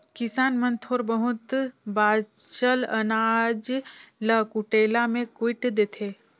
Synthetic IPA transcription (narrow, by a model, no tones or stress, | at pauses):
kɪsaːnmənt̪ʰoːɾbəɦʊt̪baːt͡ʃələnaːd͡ʒləkuʈeːlamẽkwɪʈd̪eːt̪ʰeː